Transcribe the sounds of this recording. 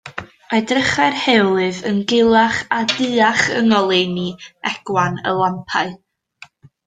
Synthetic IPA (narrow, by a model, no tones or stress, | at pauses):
adrəχarhelˠɨvə̰nɡɪlˠaχadɨaχə̰ŋɔlˠeniɛɡ̥wanə̰lˠampʰaɨ